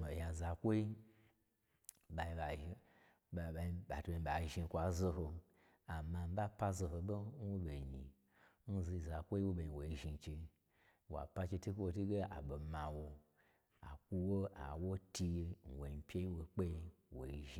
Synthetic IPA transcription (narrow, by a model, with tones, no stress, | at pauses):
o˨ja˨za˨kʷo˦i˦ | ba˨i˧ba˨i˧˨ | ba˧i˧ba˨tu˨ba˧˨i˨ba˨ʒi˧kʷa˨zo˧ɦo˧ | a˨ma˧m̩˦ba˦pa˦zo˧ɦo˧bo˦n̩˦wo˦be˨ɲi˨ | n̩˦zi˧i˨za˨kʷo˦i˦wo˦be˨i˨wo˨i˧˦ʒi˧n˨t͡ʃe˧˦ | wa̰˨pa˦t͡ʃe˧ti˦kʷo˦wo˧ti˦ɡe˦a̰˨bo˨ma˨wo˧ | a̰˨kʷu˧wo˦a̰˨wo˦ti˧n̩˨wo˨m˨pʲe˦ji˦wo˨k͡pe˦i˦wo̰˨i˧˦ʒi˧